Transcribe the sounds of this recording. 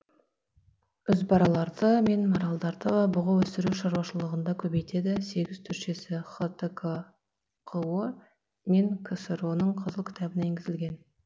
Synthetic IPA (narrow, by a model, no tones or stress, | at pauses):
ʏzbɑɾɑlˠɑɾd̪əme̞nmoɾɑlˠd̪ɑɾd̪əbʊʁɑwɵsɪɾuʃɑɾwɑʃəlˠəʁənd̪ɑkʲʰɵbejt̪e̞d̪ɪse̞ɡʲɪz̥t̪ʰʏɾʃe̞sɪχət̪ekʰo | qʰəwə | meŋkʲʰeseɾonəɴqʰəzəlˠkʰʲɪ̥t̪ɑbɪnejeŋɡʲɪzɪlɡʲe̞n